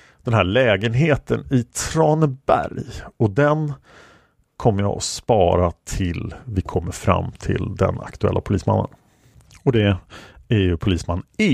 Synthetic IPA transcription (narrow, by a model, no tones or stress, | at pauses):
d̪̥ɛnɦæːɭɛːɡənɦeːt̪ʰənɪt̪ʰɾɑːnəbæ̰ɾjɔd̪ɛn | kʰɔmːəɾja̰ɔspɑːɾat̪ʰɪlvɪkʰɔmːəɾfɾa̰mːt̪ʰɪ̰ld̪ɛ̰na̰kt̪ɵɛ̰lːʔapʰʊliːsma̰nːə̰n | ɔd̪ɛæjɵpʰʊliːsmanː